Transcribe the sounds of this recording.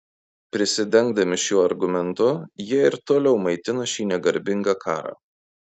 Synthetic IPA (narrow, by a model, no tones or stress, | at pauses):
pʲɾʲɪsʲɪd̪ʲɛŋɡd̪ɐmʲɪʃʲjuːɐɾɡʊmʲɛnt̪ʊjiɛɪɾt̪oːlʲɛʊmɐɪt̪ʲɪnɐʃʲiːnʲɛɡɐɾʲbʲɪŋɡɑːkʰɑːɾɑ̰ː